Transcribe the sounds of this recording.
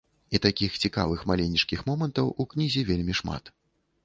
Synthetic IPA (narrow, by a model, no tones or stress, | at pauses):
it̪akʲixt͡sʲika̰vɨxmalʲenʲːit͡ʂkʲixmɔmɐnt̪ɐwuknʲizʲivʲelʲmʲiʂma̰t̪